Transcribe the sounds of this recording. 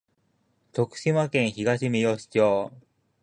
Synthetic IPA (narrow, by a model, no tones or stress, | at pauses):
t̪o̞kɯ̟̥ɕimakẽɰ̃çiɡaɕimijoɕi̥t͡ɕoː